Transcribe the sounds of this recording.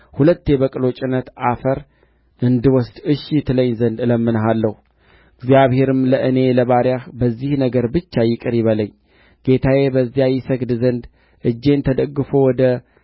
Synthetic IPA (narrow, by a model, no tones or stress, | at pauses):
hulət̪ːe̞bəkʼɨlo̞t͡ʃʼɪnət̪afəɾ | ʔɨnd̪ɨwɔsd̪ɨʃit̪ʰɨləɲːzənd̪ɨləmːɨnəɦalːəhu | ɨɡzijaβhe̞ɾɨmləʔɨne̞ləβaɾjahbəzːihnəɡəɾbɨt͡ʃːajɪkʼɨɾjɪβələɲː | ɡ̥e̞t̪ʰaje̞bəzːijajɪsəɡd̪zənd̪ | ʔɨd͡ʒːe̞nt̪ʰəd̪əɡːɨfo̞wɔd̪ə